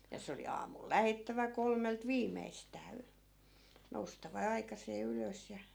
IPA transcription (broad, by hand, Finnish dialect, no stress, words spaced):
jɑ se oli ɑːmul læhetːæʋæ kolmelt ʋiːmeistæː y noustɑʋɑ ɑikɑseː yløs jɑ